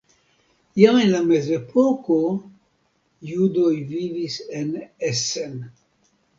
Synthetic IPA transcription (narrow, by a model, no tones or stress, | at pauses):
jaenlame̞zepʰoko | judojvivisenesen